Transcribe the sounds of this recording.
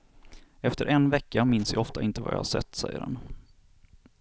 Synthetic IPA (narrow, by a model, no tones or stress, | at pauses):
ɛft̪əɾʔɛnvɛkːamɪnsjɑɔft̪aʔɪnt̪əva̰jɑ̰haʂɛ̰t̪ːsɛjːə̰ɾdɛ̰n